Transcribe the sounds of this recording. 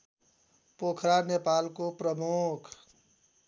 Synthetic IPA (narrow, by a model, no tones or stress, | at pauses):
pokʰɾanepaːlkopɾəmukʰ